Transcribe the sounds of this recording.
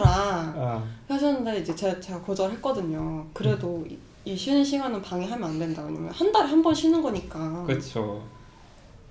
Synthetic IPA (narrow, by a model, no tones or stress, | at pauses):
ɾa | kesʰʌnɯnde̞id͡ʑe̞t͡ɕet͡ɕe̞ɡakod͡ʑʌɯɭɦe̞t̚k͈ʌdɯɲokɯɾe̞doḭ | iɕʰinɯnɕʰiɡwanɯnpaŋiɦamjʌnandwe̞ndaweɲa̰mjʌnhandaɾiɦambʌnɕʰinːɯnɡʌɲik͈akɯt͡ɕʰo